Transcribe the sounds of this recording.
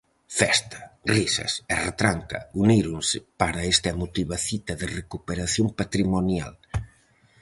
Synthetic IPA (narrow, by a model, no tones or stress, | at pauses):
fɛst̪ḁrisɐ̰seret̪ɾaŋka̰uniɾunsɪpaɾaest̪ɐmut̪iβaθit̪ɐðerekupeɾaθjompat̪ɾimonja̰l